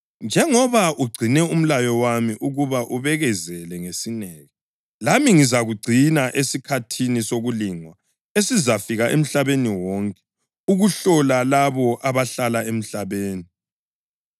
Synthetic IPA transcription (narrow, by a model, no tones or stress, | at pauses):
nd͡ʒʱɛŋɔβaʔuɡ͡ǀʱinɛum̩lajɔwamiʔuɣuβaʔuβɛɣɛzɛlɛŋesinɛːɣɛ | lamiŋizaɣuɡ͡ǀʱinaʔesikʰatʰinisoɣuliŋwa | esizafiɣaʔḛm̩ɬaβeniwɔŋkʼɛ̥ | uɣuɬɔlalaβɔʔaβaɬalaem̩ɬaβeːni